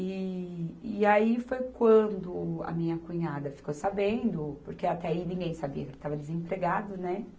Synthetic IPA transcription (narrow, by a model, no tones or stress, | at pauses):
i | iaifojkwɐ̃d̪ʊɐ̰mĩɲɐkũɲad̪ɐfi̥kowsabẽnd̪ʊpoɾkeat̪ɛainĩŋɡẽj̃sabiɐkẽt̪avɐd̪ezẽpɾeɡad̪ʊnɛ